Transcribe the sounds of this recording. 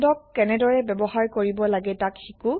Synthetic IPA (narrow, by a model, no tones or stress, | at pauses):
dɔkːɛnɛdɔɹɛbɛbɔɦaɹkoɹibɔlaɡɛtakxiku